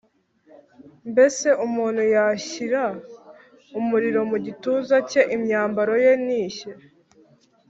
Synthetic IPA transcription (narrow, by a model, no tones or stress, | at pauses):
mbe̞se̞ʔumuːn̤̥hujaçiɾa | umuɾiɾo̞muɟituːzace̞ʔimɲaːmbaɾo̞je̞niːçe